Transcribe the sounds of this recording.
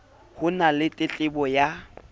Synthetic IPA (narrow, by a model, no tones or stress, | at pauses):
hʊnalɪtʼɪt͡ɬʼɪbɔja